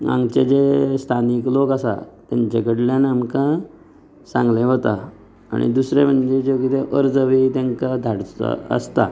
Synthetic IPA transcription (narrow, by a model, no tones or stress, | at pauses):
ã̰ŋɡt͡ɕed͡ʑest̪ʰaniklokəsa̰t̪jaɲt͡ɕakəɽljanamka | sãŋɡlẽɦot̪a | a̰ɽḭd̪usɾem̤əɳd͡ʑed͡ʑokit̪eʔəɾd͡zəʋit̪ẽŋkad̪ʱaɽə̰ə̰st̪a̰